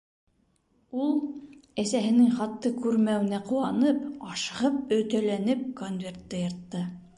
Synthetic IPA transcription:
ulˠæsæɦɘ̆nɘŋχɑt̪ːɤkʉɾmæw̆næquwɑnɤpɑʃɤ̆ʁɤp̚ɵ̆t̪ælænɘp̚konvʲe̞rt̪ːɤjɤ̆ɾt̪ːɤ

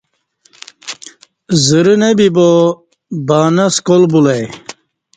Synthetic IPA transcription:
ziɾinebibo | baːnɐskolbulɐj

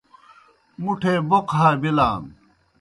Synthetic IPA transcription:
muʈʰebokɦaːbilaːm

